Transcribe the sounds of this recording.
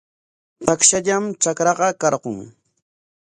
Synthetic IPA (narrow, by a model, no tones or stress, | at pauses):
t̪akʃaʎamt͡ʃakɾɑɢɑkɑɾɢʊŋ